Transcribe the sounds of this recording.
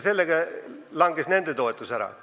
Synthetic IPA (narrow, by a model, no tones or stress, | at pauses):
selːeɡɑlɑŋɡesnend̪et̪oet̪ːusæɾɑ̰